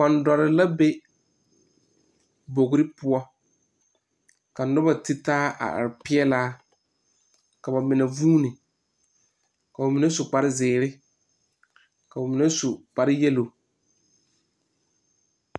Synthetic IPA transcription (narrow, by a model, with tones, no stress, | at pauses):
k͡pa˨ndɔ˨ɾɪ˨la˦be˦ | bo˨ɡɾɪ˦pʊ˦ɔ˦ | ka˨nʊ˦ba˨tɪ˦taː˦ʔa̰˨a̰˨ɾɪ˨pɪ˦ɛ˦laː˦ | ka˨ba˨mɪ˨nɛ˨vuː˦nɪ˨ | ka˨ʊ˨mi˨nɛ˦sʊ˨k͡pa˨ɾɪ˦zɪː˨ɾɪ˦ | ka˨ʊ˨mɪ˨nɛ˦sʊ˨k͡pa˨ɾɪ˦jɛ˦lo˨